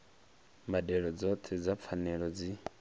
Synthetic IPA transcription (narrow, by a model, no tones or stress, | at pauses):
mbadɛɺɔd͡zɔt̪ʰɛd͡zap̪fʰanɛɺɔd͡zi